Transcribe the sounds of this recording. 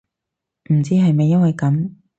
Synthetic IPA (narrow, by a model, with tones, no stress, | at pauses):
m̩˨˩t͡siː˥ɦɐ˨jme˨jɐ˥nwɐ˨jkɐ˨˥m